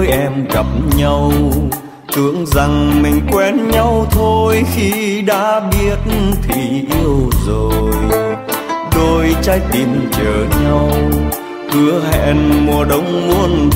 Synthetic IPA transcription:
jʔɛ˧mɣa˨˩p̚ɲa˧w | t͡ɕɨ˧˦əŋza˨˩ŋmï˨˩ŋ̟kwɛ˧nɲa˧wt̪ʰo˧jxi˧ɗa̰ː˧˥ɓi˦˥ət̚t̪ʰi˨˩ʔi˧əwzo˨˩j | ɗo˧˩jt͡ɕaː˧jt̪i˨˩mt͡ɕəː˧˩ɲa˧w | kɨ˧˩˦əɦɛ̰˧˨nmu˨˩əɗə˧˦wŋ͡mmu˧ən

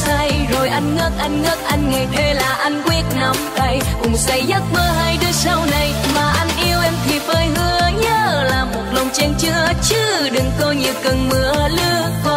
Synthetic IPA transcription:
sa˧jzo˨˩jʔa˧jŋŋə˦˥t̚ʔa˧jŋ̟ŋə˦˥t̚ʔa˧jŋ̟ŋa˨˩t̪ʰe˧laː˨˩ʔa˧jŋ̟kwi˦˥ət̚na˧˩mɗə˧j | kʊ˨˩ŋ͡m̚ka˨˦jzə˦˥t̚məː˧ɦaː˧jɗɨ˧əsa˧wna˨˩jmaː˨˩ʔa˧jŋn̟ʔi˧əwʔɛ˧mt̪ʰi˨˩p̚vəː˧jhɨ˧əɲə˧˥laː˨˩mo˨˩t̚lə˨˩wŋ͡mt͡ɕɛ˧nt͡ɕɨ˧˥˦t͡ɕɨ˧˦ɗɨ˨˩ŋkɔ˧ɲi˨˩əwkə˨˩nmɨ˨˧˦əlɨ˧əkɔ˧˦

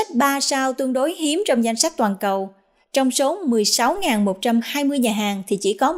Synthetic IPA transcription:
k̚ɓaː˧saː˧wt̪ɨ˧əŋɗo˨˦jɦi˨˦əmt͡ɕɔ˧wŋ͡mza˧jŋ̟sa˦˥k̚t̪waː˨˩nkə˨˩w | t͡ɕɔ˧wŋ͡mso˨˦mɨ˨˩əjsa˨˦wŋaː˨˩nmo˨˩t̚t͡ɕa˧mhaː˧jmɨ˧əjɲaː˨˩ɦaː˨˩ŋt̪ʰi˨˩t͡ɕḭ˧˩kɔ˨˦

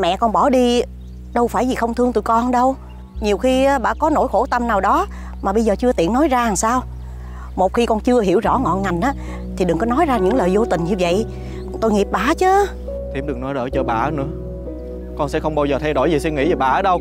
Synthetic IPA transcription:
mɛ̰˧˨kɔ˧nɓɔ˧˩ɗi˧ | ɗə˧wfaː˧˩jzi˨˩xə˧wŋ͡mt̪ʰɨ˧əŋt̪u˧˨kɔ˧nɗə˧w | ɲi˨˩əwxi˧˨˦ɓa̰ː˧˩kɔ˨˦no̰˧˥jxo˧˩t̪ə˧mnaː˨˩wɗɔ˨˦ | maː˨˩ɓə˧jzəː˨˩t͡ɕɨ˧ət̪ḭ˧˨ənɔ˨˦jzaː˧ha˨˩ŋsaː˧w | mo˨˩t̚xi˧kɔ˧nt͡ɕɨ˧əɦi˧˩əwzɔ̰˧˥ŋɔ̰˧˨nŋa˨˩jŋ̟ʔaː˨˦ | t̪ʰi˨˩ɗɨ˨˩ŋkɔ˨˦nɔ˨˦jzaː˧ɲɨ̰˧˥ŋləː˨˩jzo˧t̪ï˨˩ŋ̟ɲɨ˧və̰˧˨j | t̪o˧jŋi˨˩p̚ɓaː˧˩˦t͡ɕəː˨˦ | t̪ʰi˧˩mɗɨ˨˩ək̚nɔ˨˦jɗəː˧˩jt͡ɕəː˧˩ɓa̰ː˧˩˨nɨ̰˧˥ə | kɔ˧nsɛ̰˧˥xə˧wŋ͡mɓaː˧wzəː˨˩t̪ʰɛ˧jɗo˧˩jzi˨˩si˧ŋḭ˧˥vi˨˩ɓa̰ː˧˩əː˨˦ɗə˧w

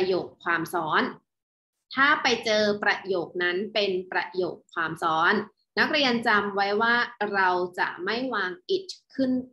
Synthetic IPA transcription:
joː˨˩kʰːwaː˧msɔː˦˥n | t̪ʰaː˥˩pa˧jt͡ɕɤː˧pɾa˧joː˨˩k̚na˦˥npe˧npɾa˧jo̰ː˨˩kʰːwaː˧msɔː˦˥nː | a˦˥k̚ɾi˧ənt͡ɕa˧mwa˦˥jwaː˥˩ɾa˧wt͡ɕa̰˨˩ʔma˥˩jwaː˧ŋʔi˨˩t̪̚kʰɯ˥˩n

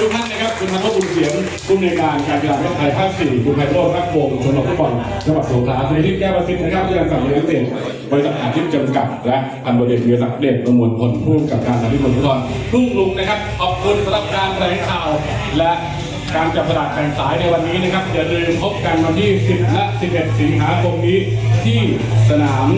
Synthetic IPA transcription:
ɾʰu˦˥k̚mʰaː˥˩n̚na˦˥˩kʰa˦˥p̚kʰu˧nːa˦˥k̪̚ʰa˦˥pu˧nsi˨˦ən | kʰuː˥˩nːaː˧jkaː˧nkaː˧nsʰa˧daː˨˩ɾo˥p̚pʰaː˧jpʰaː˥˩k̚siː˨˩kʰu˧pʰa˧jboː˥˩t̚ɾa˦˥˩k̚boː˧ku˧t͡ɕʰo˧˦nʔɔː˨˩kfu˦˥t̪̚bɔ˧nt͡ɕʰa˧ba˨˩suː˨˩˦kʰlaː˦˥kʰːa˧t̪ʰiː˥˩kɛː˥˩ba˧sʰi˧˦˥t̪̚ʰːkʰaː˥˩t̪ʰiː˥˩a˧ŋsa˨˩iː˧˦t̪ʰa˦˥ŋsi˨˩ən | bɔ˧ɾi˦˥sa˨˩ʔaː˨˧˩t̪ʰiː˦˥˩t̚t͡ɕɤː˧mka˨˩t̪̚lɛ˦˥ʔ | pʰa˧nbɔː˧˩le˨˩t̪̚i˧a˧sa˨˩de˧˩t̪̚ma˧mu˧npʰo˧˦npʰuː˥˩m̚ka˨˩p̚kaː˧nʰa˧nt̪ʰiː˥˩o˧nfu˥t̪̚bɔ˧˩n | t̪ʰu˥˩ŋlu˨˩k̚na˥kʰa˦˥p̚ʔɔː˨˩p̚kʰu˧nsa˧nla˨˩p̚kaː˧npʰɾa˧˩jkʰaː˨˩w | lɛ˦˥ʔ | kaː˧nt͡ɕa˨˩p̚sa˧da˨˩t̪̚pʰɛː˧ŋsaː˨˦˥jna˧jwa˧nːiː˦˥na˥˩kʰa˦˥p̚jlɯː˧mpʰo˦˥p̚ka˧nwa˧nt̪ʰiː˥˩si˨˩p̚la˦˥si˨˩p̚ʔe˨˩t̪̚si˩˨˦nɦaː˩˦kʰo˧mniː˦˥t̪ʰiː˥˩ | sa˧naː˩˦m

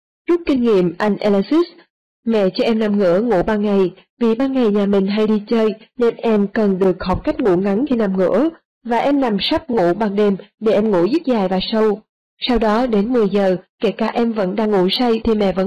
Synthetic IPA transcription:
zu˦˥t̚kï˧ŋ̟ŋḭ˧˨əmʔa˧jŋ̟ʔɛ˧la˧si˦˥s | mɛ̰˧˨t͡ɕɔ˧ʔɛ˧mna˨˩mŋɨ̰˧˥əŋṵ˧˥ɓaː˧nŋa˨˩j | vi˨˩ɓaː˧nŋa˨˩jɲaː˨˩mï˨˩ŋ̟ɦa˧jɗi˧t͡ɕəː˧jne˧nʔɛ˧mkə˨˩nɗɨ˨˩ək̚hɔ˨˩p̚ka˦˥jk̟̚ŋṵ˧˥ŋa˨˦nk̪ʰi˧na˨˩mŋɨ̰˧˥ə | vaː˨˩ʔɛ˧mna˨˩msa˦˥p̚ŋṵ˧˥ɓa˨˩ŋɗe˨˩mɗe˧˩ʔɛ˧mŋṵ˧˥zɨ˦˥t̚zaː˨˩jvaː˨˩sə˧w | sa˧wɗɔ˨˦ɗe˨˦nmɨ˨˩əjzəː˨˩ke˧˩kaː˧˩ʔɛ˧mvə̰˧˥nɗa̰ː˧ŋṵ˧˥sa˧jt̪ʰi˨˩mɛ̰˧˨və̰˧˥

